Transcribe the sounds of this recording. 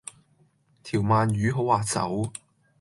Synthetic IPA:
t̪ʰiː˨˩wmaː˨nɥyː˨˥ɦo˨˥waː˨˧t͡sɐ̰˨˥w

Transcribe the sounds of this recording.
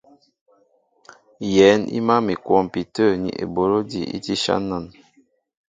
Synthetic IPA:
jɛ˨˦nḭ˦ma˦mi˨kwɔ˦˨m˨pi˨tə˦˨nḭ˨ʔḛ˨bo˨˦ɾo˦di˨ḭ˦ti˦ʃa̰˦na˦˨n

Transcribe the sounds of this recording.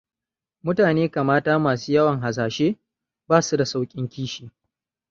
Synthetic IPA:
mʊ˦taː˨neː˦ka˨maː˦taː˦maː˨suː˦jɐ˦wɐ˨ŋɦa˨s̬aː˨ʃeː˦ | baː˦su˦da˨sa˦wkʲʼɪ˦ŋkʲiː˦ʃiː˨

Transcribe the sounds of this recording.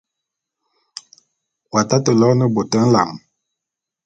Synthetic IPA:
wa˨ta˦tə˨lɔ˦nə˦bo˨tə˦n̩˦la̰˨ŋ

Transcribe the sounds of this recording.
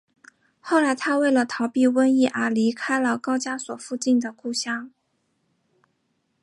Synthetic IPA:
xo˥˩ʊla˧˥ɪt̪ʰa˥we˥˩ɪlə˩t̪ʰɑ˧˥ʊpi˥˧wə˥ni˥˩ʔə˧˥li˧˥kʰa˥ɪlə˨kɑ˥ʊt͡ɕja˥swɔ˨˩fu˥˧t͡ɕi˥˩nd̪ə˩ku˥˩ɕjɑ˥ŋ

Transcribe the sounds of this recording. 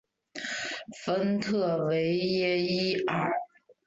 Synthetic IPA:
fə˥nt̪ʰɤ˥˩we˧˥ɪjɛ˥i˥ə˞˥˨˩

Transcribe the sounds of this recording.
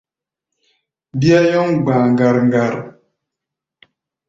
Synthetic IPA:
bi˦a˦jɔ˦ŋɡ͡ba˨ŋɡa˨ɾŋɡa˨ɾ

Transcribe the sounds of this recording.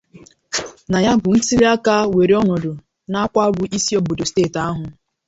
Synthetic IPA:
na˨ja˦bʊ˨n̩˦si˦ɾi˦a˦ka˦we˨ɾe˦ɔ˦nɔ˨dʊ˨ | na˦kʷa˦bʊ˦ʔi˦si˦o˦bʊ˨dʊ˨steː˦˨ta˦ɦʊ˨

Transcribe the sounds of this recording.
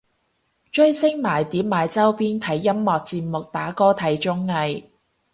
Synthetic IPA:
t͡ʃɵ˥ɥsɪ˥ŋmaː˨˩jt̪iː˨˥p̚maː˨˧jt͡sɐ˥wpiː˥nt̪ʰɐ˨˥jːɐ˥mːɔː˨k̚t͡siː˧t̚mʊ˨k̚t̪aː˨˥kɔː˥t̪ʰɐ˨˥jt͡ʃʊ˥ŋːɐ˧j

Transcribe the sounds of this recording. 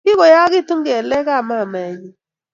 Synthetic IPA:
ɪ˦kɔ˨ja˦kɪ˦˨tu˦ŋɡɛ˨lɛ˦ka˦˨ma˦˨mɛ˨ɲi˨

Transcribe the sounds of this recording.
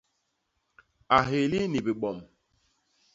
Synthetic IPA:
a˨ɦe˨li˦ni˨bi˨ɓɔ˨m

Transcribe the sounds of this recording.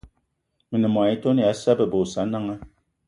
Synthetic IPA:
mi˨nə˨m˨a˨i˦to˦ni˨a˨˦sa˦bə˨bo˨sa˨˦na˦ŋa˦

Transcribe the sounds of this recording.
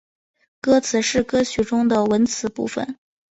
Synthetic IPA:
kɤ˥t͡sʰɹ̩˨˩ʂɻ̩˥˩kɤ˥ɕy˨˩ʈ͡ʂʊ˥ŋd̪ə˨wə˧˥nt͡sʰɹ̩˧˥pṵ˥˩fə̰˨˩n

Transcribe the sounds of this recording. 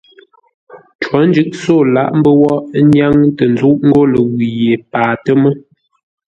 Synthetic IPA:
t͡ʃwɔ˨˦n˦d͡ʒʉ˦ʔ̚so˦˨la˦˨ʔm̩˦bə˦wɔ˦ʔɲja˦ŋtə˨n˨zu˦ʔŋ̩˦ɡo˦lə˨wi˨je˨paː˨tə˦mə˦

